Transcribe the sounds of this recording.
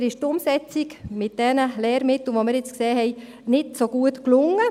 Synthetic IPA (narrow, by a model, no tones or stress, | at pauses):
ɾɪʃtʊmsɛt͡sikmɪt̚d̥ɛnəlɛːɾmɪtl̩ʋoməɾjɛt͡skseːɦɛɪ | nɪtsoɡ̥uətklʊŋːə